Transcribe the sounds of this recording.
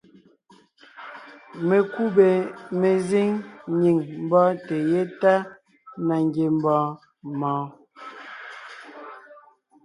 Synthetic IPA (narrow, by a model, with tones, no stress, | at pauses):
me˨ku˦be˨me˨zi˦ŋɲi˨ŋm̩˦bɔ˦te˨je˦ta˦ | na˨ŋɡje˨m̩˦bɔ̃ː˨˦ | mɔ̃ː˨˦